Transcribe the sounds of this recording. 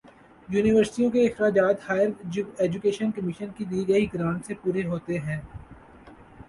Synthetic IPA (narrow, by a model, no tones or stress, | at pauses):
juːnɪʋəɾsʈijõkeɪxɾaːd͡ʒaːt̪haːɪəɾeːd͡ʒʊkeːʃənkɐmɪʃənkid̪iːɡɐiɡɾãːnsepuːɾeɦoːt̪eɦɛ̃ː